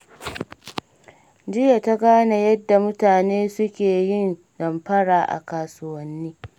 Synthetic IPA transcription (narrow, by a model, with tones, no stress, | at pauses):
d͡ʒɪ˦ja˨ta˦ɡaː˦na˦jɐ˦dːa˨mʊ˦taː˨neː˦sʊ˦kʲeː˨jɪ˦n | zɐ˨mɸɐ˦ɽaː˨ʔa̰˨kaː˨sʊ˦wɐ˦nːiː˦